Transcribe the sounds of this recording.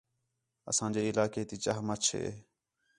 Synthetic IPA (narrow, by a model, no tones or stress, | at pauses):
ə̰sãːd͡ʒeːɪlaːkeːt̪iːt͡ʃaːɦmət͡ʃʰḛː